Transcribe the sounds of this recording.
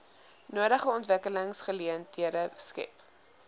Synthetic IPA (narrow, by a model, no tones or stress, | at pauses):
nuəɾəχəɔntvəkələŋsχəliəntiəɾəskɛ̰p